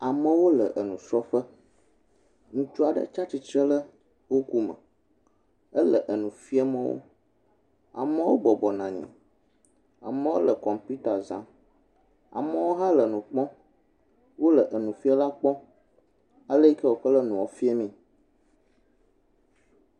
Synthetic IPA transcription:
a˨mə̃˦wo˦lə˨ʔə˨nũ˨sɾɔ˦ɸə˦ | ŋũ˦t͡ʃu˦a˨ɖə̰˦t͡ʃa˦t͡ɕi˨t͡ʃə˦lə˦ | wo˦ku˦mə̰̃˨ | ə˦lə˨ʔə˨nũ˨fi˦ɛ˦mə̃˦wo̰˦ | a̰˨mə̃˦wo˦bɔ˨bɔ˨nã˨ɲḭ̃˨ | a̰˨mə̃˦wo̰˦lə˨kɔ˨mpu˦t̪a˨zã̰˦ | a̰˨mə˦wo˦ɦa˦lə˨nũ˨k͡pɔ̃˦ | wo˦lə˨ʔə˨nũ˨fi˦a˦la˦k͡pɔ̃˦ | a˨lə˦i˦kə˦wo˨k͡pə˦lə˦nũ˨wɔ˨fi˦e˦mĩ˦

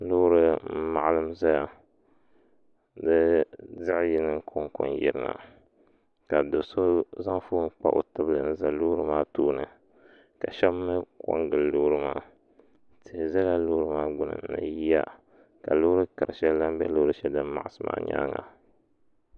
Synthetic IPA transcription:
lo˦ɾɨ˦ma˨ʔa˨lɨ˦m˦za˦ja˨ | dɨ˦zɨ˦ʔjɪ˦nɨ˦kʰo˦ŋkʊ̰˦njɪ˨ɾɨ˦na̰˨ | ka˨do˨so˦za˦ŋ˦fuː˦k͡pa̰˦ʔo̰˨tɨ˦blɨ˨nɨ˦za˨lo˦ɾɨ˦maː˦toː˦nɨ˨ | ka˨ʃɛ˦bɨ˦kɔ̰˦ŋɡɨ˨lloː˦ɾɨ˦maː˦ | tʰɨ˨hza˦la˦loː˦ɾɨ˦maː˦ɡ͡bʊ˦nɨ̰˨n˦na̰˨ji˦ja̰˦ | ka˨lo˦ɾɨ˦ka˨ɾɨ˨ʃɛ˦la˦m˦bɛ˦loː˦ɾɨ˦ʃɛ˦dɨ˦m˦ma̰˨ʔa˦˨sɨ˦ma̰ː˦ɲa̰ː˦ŋa˨

